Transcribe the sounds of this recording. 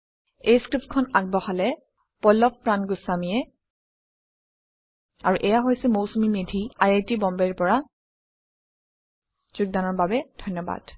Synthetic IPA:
ejskɹip̚tkʰɔnaɡ̚bɔxalɛ | pɔlɔppɹanɡusːamijɛ | aɹuʔɛjaɦojsɛmowsumimedʱiajajtibɔmbɛɹpɔɹa | z̥uɡ̚danɔɹbabɛd̥ʱɔjnːɔba̰d̥

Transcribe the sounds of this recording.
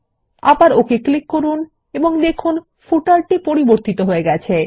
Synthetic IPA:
a̰baɾokeklikːoɾun | eboŋd̪ekʰun | fuʈalʈipoɾiboɾt̪it̪oɦoeɡɛt͡ɕʰe

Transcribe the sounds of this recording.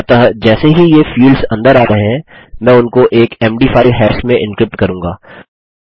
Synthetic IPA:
t̪aɦd͡ʒɛːseɦijefiːlzɐ̃nd̪əɾaːɾɐɦẽɦɛ̃mɛ̃ːʊnkoʔeːkɛːmɖiːfʰaːɪlɦɛːʃmẽʔɪ̃nkɾɪp̚ʈkɐɾũːŋɡaː

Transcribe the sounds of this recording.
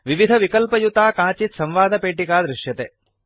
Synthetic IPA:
ʋiʋid̪ʱɐʋikɐlpɐjut̪aːkaːt͡ʃit̪sɐmʋaːd̪ɐpeːʈikaːd̪ɾɪʂjɐt̪e

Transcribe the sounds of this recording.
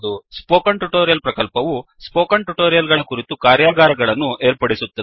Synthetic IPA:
d̪uspoːkɐɳʈuʈoːɾijɐlpɾɐkɐlpɐʋu | spoːkɐɳʈuʈoːɾijɐlɡɐɭɐkuɾit̪ukaːɾjaːɡaːɾɐɡɐɭɐnːuʔe̞ːɾpɐɽisut̪ːɐ

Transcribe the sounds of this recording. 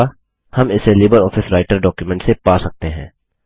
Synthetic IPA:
hɐmɪselɪːbəɾɔːfɪsɾaːɪʈəɾɖɔːkjumɛ̃ɳʈsepaːsɐk̚t̪eɦɛ̰̃ː

